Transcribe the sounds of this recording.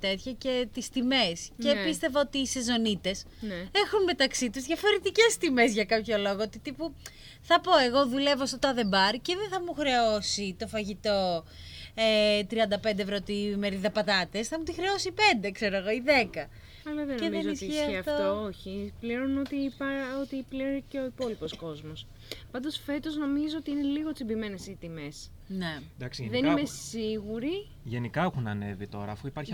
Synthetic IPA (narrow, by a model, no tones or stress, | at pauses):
t̪et̪çɐce̞t̪ist̪ime̞scepist̪e̞voot̪iːsezo̞nit̪e̞s | ne̞xunme̞t̪ɐksit̪uzðʝɐfo̞ɾe̞t̪ice̞st̪ime̞zʝɐkɐpço̞lo̞ɣoot̪it̪ipu | θɐpo̞e̞ɣo̞ðule̞vost̪ot̪ɐðe̞bɐɾceðenθɐmuxɾe̞osit̪o̞fɐʝit̪o̞ | et̪ɾiɐnd̪ɐpe̞nd̪evɾot̪imeɾiðɐpɐt̪ɐt̪esθɐmut̪ixɾeosipe̞nd̪e̞kse̞ɾoɣo̞iðe̞kɐ | ɐlɐvennemnzoisiçeɐeɐft̪toooçipliɾonot̪ipɐot̪ipliɾoɾiceo̞ipo̞lipo̞sko̞zmo̞s | pɐnd̪o̞sfe̞t̪o̞zno̞mizoot̪iine̞liɣot̪simbime̞ne̞sit̪imes | ned̪ɐksiðeniimesiɣuɾi | ʝenikɐexunɐne̞vit̪o̞ɾɐ̰ːfuipɐɾç